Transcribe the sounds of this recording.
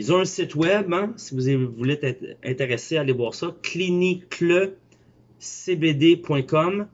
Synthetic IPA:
ilzɔ̃ɛ̃sɪt̪wɛbɛ̃sivuzevulet̪ɛt̪ɛ̰̃t̪eʁeseaalevwaːʁsʌkʰlinikʰlə | sebed̪epwɛ̃kɔm

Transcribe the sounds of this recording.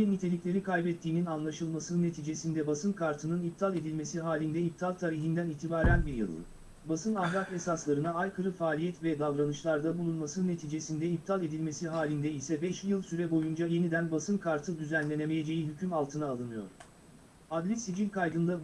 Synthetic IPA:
inːit̪ʰe̞lʲiclʲe̞ɾikʰajbɛt̪ʰːiːninanlˠaʃɯlˠmasɯnnːe̞t̪ʰiːd͡ʒe̞sind̪ɛbasɯnkʰaɾt̪ʰɯnɯnip̚t̪ʰalʲˠe̞d̪ilʲme̞siɦaːlʲind̪ɛip̚t̪ʰalˠt̪ʰaːɾiɦind̪æniːt̪ʰibaːɾænbiɾjɯ̰lˠːɯ̰ | basɯnavlˠat̪e̞saslˠaɾɯnaajkʰɯɾɯfaːlʲijɛt̪vɛd̪avɾanɯʃlˠaɾd̪abulˠunmasɯnːe̞t̪ʰiːd͡ʒe̞sind̪ɛip̚t̪ʰalˠe̞d̪ilʲme̞siɦaːlʲind̪ɛisɛbɛʃjɯlˠsyɾɛbo̞jund͡ʒaje̞nid̪ænbasɯnkʰaɾt̪ʰɯd̪yzænlʲe̞neme̞je̞d͡ʒe̞jiɦycʰymalˠt̪ʰɯnaːlˠɯnɯjo̞̰ɾ̥ | ad̪lʲisid͡ʒinkʰajd̪ɯnd̪a

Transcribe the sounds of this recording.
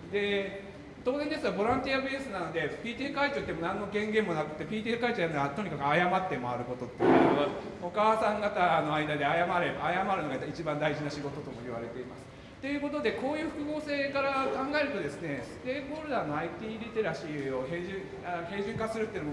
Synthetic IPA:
d̪e̞ | t̪o̞ːzend̪e̞t͡ssɨɡabo̞ɾãnt̪ʲiabeːsɨnano̞d̪e̞pʲiːt̪ʲieːkait͡ɕoːt̪ːemo̞nãnːo̞ɡẽ̞ŋɡẽ̞mːo̞nakɯ̟t̪ːe̞pʲiːt̪̬ʲiekait͡ɕojaɯnoɡat̪o̞ɲ̟ikakɯ̟ajamat̪ːe̞maaɾɯ̟ko̞t̪o̞t̪ːeaokaːsãŋɡat̪ano̞aid̪ad̪e̞ajamaɾebaːjamaɾɯ̟no̞ɡait͡ɕibãnd̪aiʑinaɕiɡo̞t̪o̞t̪o̞moiβ̞aɾe̞t̪e̞ima̰sɨ̥ | t̪ːe̞jɯ̟ːko̞t̪o̞d̪e̞ko̞ːjɯ̟ːɸɯ̟̥kɯ̟ɡo̞ːse̞ːkaɾakãŋɡae̞ɾɯ̟t̪o̞d̪e̞sɨne̞sɨ̥t̪e̞ːbo̞ːɾɯ̟d̪aːno̞ait̪ʲiːɾit̪eɾaɕio̞heʑĩ | ahẽ̞ːʑĩŋkasɨɾɯ̟t̪ːeinom

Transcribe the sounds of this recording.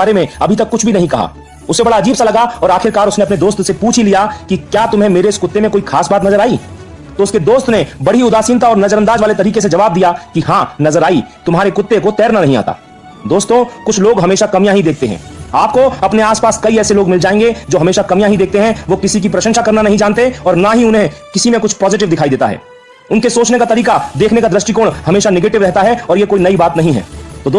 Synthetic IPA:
aːɾemẽɐbʱit̪ɐkːʊt͡ʃʰbʱinɐɦĩkɐɦa̰ː | ʊsːebɐɽaɐd͡ʒiːbsalɐɡaɔːɾaːxʰɪɾkaːɾʊsneɐp̬ned̪oːst̪sepuːt͡ʃʰilijakikjaːt̪ʊmɦẽmeːɾeɪskʊt̪ːemẽkoːikʰaːsbaːt̪nɐzəɾaːi | t̪oʊsked̪oːst̪nebɐɽ̤iʊd̪aːsiːnt̪aɔːɾnɐzəɾə̃nd̪aːd͡ʒʋaːlet̪ɐɾiːkes̬ed͡ʒɐʋaːb̚d̪ijakihãːnɐzəɾaːit̪ʊmɦaːɾekʊt̪ːekot̪ɛːɾnanɐɦĩa̰ːt̪a̰ː | d̪oːst̪õkʊt͡ʃʰloːɡɦɐmeːʃakɐmijãɦid̪eːk̚ʰt̪eɦɛ̰̃ːaːp̚koɐpneaːspaːskɐiɛːseloːɡmɪld͡ʒaːẽːŋɡed͡ʒoːɦɐmeːʃakɐmijãɦid̪eːk̚t̪eɦɛ̃ʋokɪsik̬ipɾɐʃə̃nʃakɐɾnanɐɦĩd͡ʒaːnt̪eɔːɾnaɦiʊnɦẽkɪsimẽkʊt͡ʃʰpɔːzɪʈ̬ɪʋd̪ɪkʰaːid̪eːt̪a̰ɦɛ̰ː | ʊnkesoːt͡ʃnekat̪ɐɾiːkad̪eːkʰnekad̪ɾɐsʈikoːɽhɐmeːʃanɛɡeːʈɪʋɾɛɦt̪aɦɛɔːɾjekoːinɐibaːt̪nɐɦĩɦɛ̰ːt̪oːd̪

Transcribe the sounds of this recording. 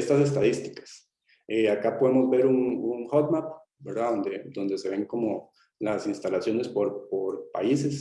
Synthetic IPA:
est̪ase̞s̬t̪aðist̪i̥kḁs | eakapoðemo̞zbe̞ɾununxot̪map | be̞ɾðaðo̞nd̪e̞d̪o̞nd̪e̞se̞βe̞ŋko̞mo̞ | lasinst̪alasjo̞ne̞spo̞ɾpoɾpa̰ise̞s

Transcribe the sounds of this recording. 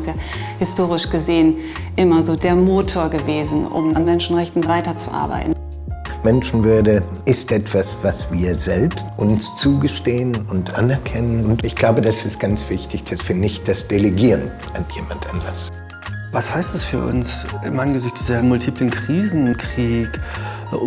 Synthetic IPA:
ɪsjaː | hɪstoːʁ̞ɪʃɡ̥əzeːən | ʔɪmɐzoːdeːɐmoːtʰoːɐɡəveːzn̩ʔʊ̰manmɛnʃn̩ʁɛçtn̩vaɪtɐt͡sṵʔa̰ɐba̰ɪtn̩ | mɛnʃn̩vʏɐdə | ʔɪstʔɛtv̥asv̥asv̥iːɐzɛlpstʊnst͡suːɡəʃteːənʊntʔa̰nɛɐkʰɛnənʊntɪçɡ̥laʊbədasɪst̚ɡ̥ant͡sv̥ɪçtɪçd̥asv̥iːɐnɪçt̚d̥asd̥eleɡiːʁən | anjḛːmantʰanlas | vashaɪstd̥asfyːɐʔʊ̰nsʔɪmaɪnənɡəzɪçtːzɐmʊltʰiːplənkʁ̥iːzn̩kʁ̥iːk

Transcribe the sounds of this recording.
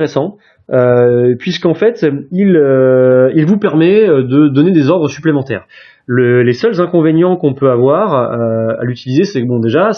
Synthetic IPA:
ʁesɑ̃ | øpɥiskɑ̃fɛt̪iløilvupɛʁmɛød̪əd̪ɔned̪ezɔʁd̪ʁəsyplemɑ̃t̪ɛ̰ːʁ | ləlesœlzɛ̃kɔ̃venjɑ̃kɔ̃pøavwaʁøa̰lyt̪ilizesɛbɔ̃d̪eʒas

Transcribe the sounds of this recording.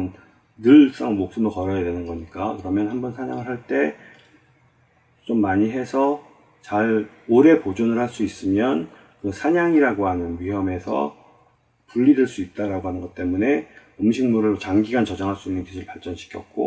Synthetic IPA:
n | nɯɭs͈aŋɭmok̚s͈ɯmokʌɾʌjadwe̞nɯnɡʌɲik͈akɯɾʌmjʌnɦhambʌnsʰaɲaŋɯɭɦaɭt͈e̞ | t͡ɕomːaɲiɦe̞sʰʌ | t͡ɕaɾoɾe̞pod͡ʑonɯɭhaɭs͈uis͈ɯmjʌn | kɯsʰaɲaŋiɾaɡoɦanɯnɥiɦjʌme̞sʰʌ̰ | puʎːideɭs͈uit̚t͈aɾaɡoɦanɯnŋɡʌt͈̚e̞mune̞ | ʌmɕʰiŋmuɾɯɾt͡ɕaŋɡiɡant͡ɕʌd͡ʑaŋɦaɭs͈uinːɯntisʰɯɭpaɭt͡ɕ͈ʌnɕʰi̥kʰjʌt̚k͈o̰

